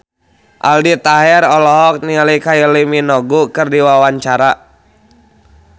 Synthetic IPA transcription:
ʔa̰ldit̪aɦɛrɔlɔɦɔk̚nilikajəliminɔɡukɨrdiwawaɲt͡ʃaɾa

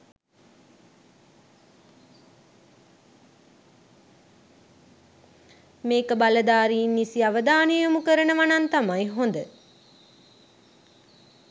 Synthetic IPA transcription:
meːkəbaləd̪aːɾiːnːisiaʋəd̪aːnəjəmukəɾənəʋanant̪amajɦond̪ə

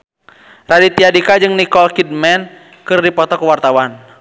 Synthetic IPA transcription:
radit̪iadikad͡ʒɨŋnikɔlkid̚mɛn | kɨrdipɔt̪ɔkuwart̪awan

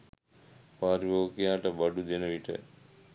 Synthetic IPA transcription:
paːɾiʋoːkijaːʈəbɐɖud̪enəʋiʈə̰

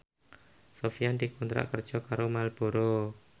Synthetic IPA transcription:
sofijand̪ikunt̪ɾa̰ʔkərd̥ʒ̥ɔ̤kaɾomalb̥o̤ɾo

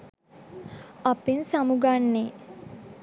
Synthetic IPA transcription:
apinsamuɡanːe

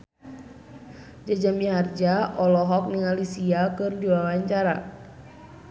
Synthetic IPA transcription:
d͡ʒad͡ʒamiɦard͡ʒaʔɔlɔɦɔk̚niŋalisiakɨrdiwawaɲt͡ʃaɾa̰

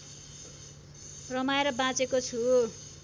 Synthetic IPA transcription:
rʌmaeɾʌbãt͡sekot͡sʰu

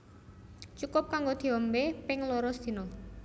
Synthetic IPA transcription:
t͡ʃukʊp̚kaŋɡod̪̥i̤ɔmbepɪŋlɔɾɔsd̪̥i̤nɔ

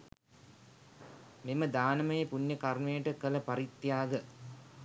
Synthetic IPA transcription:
meməd̪aːnɐmɐjepunjəkɐrmejəʈəkələpɐɾit̪ːjaːɡə

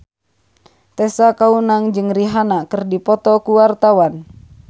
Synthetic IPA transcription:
t̪ɛsakaunaŋd͡ʒɨŋriɦanakɨrdipɔt̪ɔkuwart̪awan

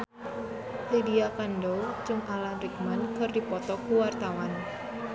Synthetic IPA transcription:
lediakandot͡ʃʊŋalanɾik̚mankɨrdipɔt̪ɔkuwart̪awan

